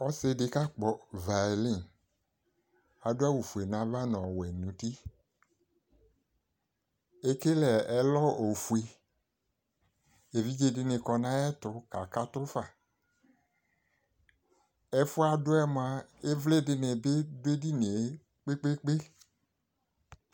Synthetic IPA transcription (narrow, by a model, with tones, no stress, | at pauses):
ɔ˦sɪ˧dɪ˧ka˦k͡pɔ˨va˨li˦˨n | a˨dʊ˦a˦wu˨fu˨e˨nã˨va˦nɔ̃˨wɛ˨nũ˨ti˦ | e˦ke˦lɛ˨ɛ˨˦lɔ˦o˨fu˨e˨ | e˨vi˦d͡ʒe˦dɪ˦nɪ˨kɔ˧nã˦ɛ˦tʊ˧ka˨ka˦tʊ˦fa˨ | ɛ˦fʊ˦a˨dʊ˦ɛ˦m˨a˨e˦vlɪ˦dɪ˨nɪ˨bɪ˦dʊ˦e˦di˦ne˨e˨˦ | k͡pe˦k͡pe˦k͡pe˦